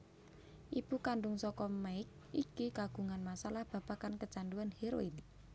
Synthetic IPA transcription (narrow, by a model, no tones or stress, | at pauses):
ʔib̥ukaɳɖʊŋsɔkɔmaɪk̚ | ikikaɡ̥ṳŋanmasalahb̥ä̤pakankət͡ʃaɳɖuanheɾoin